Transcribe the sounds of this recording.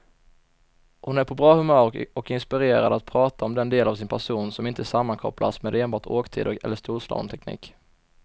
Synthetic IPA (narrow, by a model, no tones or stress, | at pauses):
hʊnæɾpʰɔbɾɑːhɵmœːɾɔkɪnspɪɾeːɾa̰d̪at̪̚pʰɾɑːt̪ʰaɔmd̪ɛnd̪eːlavsɪnpʰæʂuːnsɔmɪnt̪əsamːankʰɔ̰plʔa̰smeːd̪eːnbɑːʈoːkt̪ʰḭːd̪ɔkɛ̰lːəʂt̪uːʂlɑ̰ːv̰nt̪ʰɛknḭːk